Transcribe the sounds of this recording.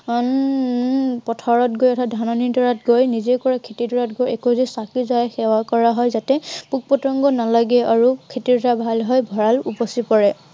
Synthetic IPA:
n | pɔtʰaɹɔt̚ɡojɔtʰadʱanɔnidɔɹat̚ɡojnizekɔɹakʰetidɔɹatɡojɛkozisakizajɛxɛwakɔɹaɦɔjzatɛpuk̚pɔtɹɔŋɡɔnalaɡɛaɹukʰetiɹtɔabʱalɦɔjbʱɔɹalupɔsipɔɹɛ

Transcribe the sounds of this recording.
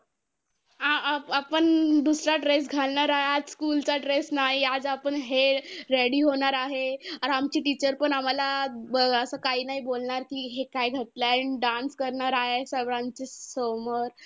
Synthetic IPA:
ɦãapəɳd̪usɾaʈɾes̬ɡʱalɳaɾaɦead͡zskult͡saʈɾesnaɦiad͡zapəɳɦeɾeɽiːɦoɳ̃aɾaɦeaɾamt͡ɕiːʈit͡ɕəɾpəɳam̤alaəəsəkaɦiːnaɦibolɳaɾkiːɦekajɡʱət̪laɖanskəɾɳaɾaɦesəʋɾãɲt͡ɕesoməɾ

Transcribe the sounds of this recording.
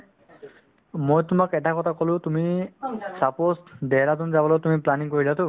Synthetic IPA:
mojtʊmakɛtakɔtʰakɔlʊ̃tumisaposdɛɾat̬unzabɔlɔjtumiplaniŋkoɹizatʊ

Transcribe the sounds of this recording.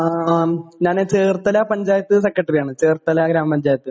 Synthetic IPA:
aɲaːnet͡ɕeːrt̪ːɐlaːpɐɲd͡ʑaːjɐt̪ːɨs̬ekːɐʈːɐrijaːɳɨt͡ɕeːrt̪ːɐlaːɡɾaːmpɐɲd͡ʑaːjɐt̪ːɨ

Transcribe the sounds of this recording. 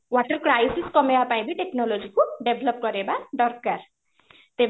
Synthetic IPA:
waʈəɾkɾajsiskɔmeapaj̃biʈeknɔlod͡ʒikuɖebʱlɔp̚kɔɾebaɖɔɾkkaɾ | t̪e

